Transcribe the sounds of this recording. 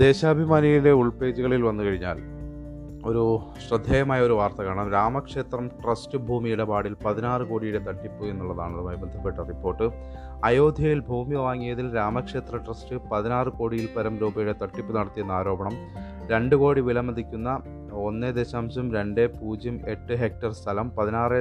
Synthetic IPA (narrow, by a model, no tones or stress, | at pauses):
d̪e̞ːɕaːbʱimaːniɣile̞uɭpe̞ːd͡ʑuɣɐɭilʋɐnːukɐɻiɲːa̰ːl | o̞ɾu | ɕrɐd̪ʱːɐːjɐmaːjɐo̞ɾuʋaːrt̪ɐkaːɳɐmɾaːmɐkʂe̞ːt̪rɐmʈrɐstɨbʱuːmijuɽe̞paːɽilpɐðinaːrɨko̞ːɽijuɽe̞t̪ɐʈːipːɨenːuɭːɐðaːɳðɐmaːjbend̪ʱɐpːeʈːɐripːo̞ːrʈːɨ | ɐjo̞ːd̪ʱjɐjilbʱuːmiʋaːŋːijɐðilɾaːmɐkʂe̞ːt̪rɐʈrɐstɨpɐðinaːrɨko̞ːɽijilpɐɾɐmɾuːbɐjuɽe̞t̪ɐʈːipːunɐɽɐt̪ːijunːɐaːɾo̞ːbɐɳɐm | ɾe̞ɳɖɨko̞ːɽiʋilɐmːɐd̪ikʲːunːɐ | o̞nːed̪eɕaːmsumɾe̞ɳɖe̞puːd͡ʑjɐme̞ʈːɨɦe̞k̚ʈɐrst̪ʰɐlɐmpɐðinaːre